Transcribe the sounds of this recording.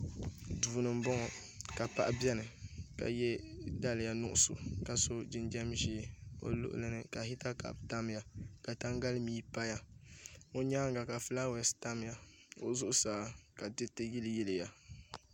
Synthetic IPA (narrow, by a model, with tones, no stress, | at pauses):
duː˨nɨ˨m̩˦bɔ˦ŋɔ˨ | ka˨pa˦ʔa˦bɛ˦nɨ˨ka̰˨jɛ˦da˦lɨ˨ja˨nʊ˦ʔʊ˦˨sʊ̰˨ka˨so˦d͡ʒɪ˦nd͡ʒɛ˦mʒi˦˨o̰˦lʊ̰˦ʔʊ̰˦lɨ˦nɨ˨ka˨hi˦ta˦ka̰˨bta˦m˦ja˨ka˨ta˦ŋɡa˦lɨ˦miː˦pa˦ja˦ | o˦ɲa˦ŋ˦ɡa˨ka˨fɨ˦la˦wɛ˨sta˦m˨ja˨o̰˦zʊ˦ʔʊ˦saː˨˦ka˨dɨ˦tɨ˦jɪ˦lɨ˦jɛ˦lɨ˨ja˨